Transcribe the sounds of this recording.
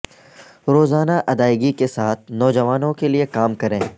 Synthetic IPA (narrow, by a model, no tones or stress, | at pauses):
ɾoːzaːnaʔɐd̪aːɪɡikesaːt̪̚ʰnɔːd͡ʒɐʋaːnõkeliekaːmkɐɾẽː